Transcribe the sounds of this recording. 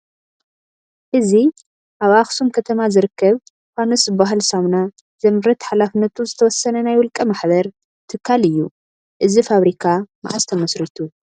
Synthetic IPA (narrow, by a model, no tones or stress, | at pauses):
ʔɨzi | ʔaβʔaxsumkʰɐt̪ʰɐmazɨɾɨkːɐβ | fanɐsɨbːaɦalsamna | zɐmɾɐt̪ħalafɨnːɐt̪ʰuzɨt̪ʰɐwɔsɐnɐnajwɔlkʼɐmaħβɐɾ | t̪ʰɨkʰːalɨjːu | ʔɨzifaβɾikʰama̰ʕast̪ʰɐmɐsɾit̪ʰu